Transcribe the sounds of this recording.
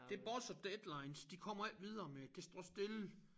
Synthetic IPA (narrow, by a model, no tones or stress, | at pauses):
d̥e̝ɐb̥ɒsɒd̥ed̥lɑ̈ɪnsd̥ikʰɒ̽m̰ɐæl̰d̥ʋið̞ˠɐːmeæɡ̥ʰesd̥ʁɒsd̥e̝lə